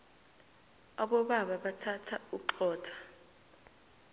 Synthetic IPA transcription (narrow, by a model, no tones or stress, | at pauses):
aɓɔɓaɓaɓatʰatʰauǃɔːtʰḁ